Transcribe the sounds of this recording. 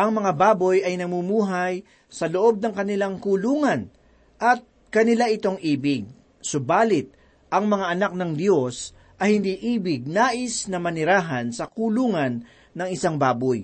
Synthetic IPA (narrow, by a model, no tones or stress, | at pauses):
ʔɐŋmɐŋabaːbojʔɐjnɐmumuːɦɐj | sɐloʔo̞b̚nɐŋkɐnɪlaŋkuluːŋɐn | ʔɐt̪̚ | kɐnɪlaʔɪt̪o̞ŋʔiːbɪɡ̚ | sʊbaːlɪt̪̚ | ʔɐŋmɐŋaʔɐnak̚nɐŋd̪jo̞s | ʔɐjhɪnd̪iːʔiːbɪɡ̚naːʔɪsnɐmɐnɪɾaːɦɐnsɐkuluːŋɐnː | ɐŋɪsaŋbaːboj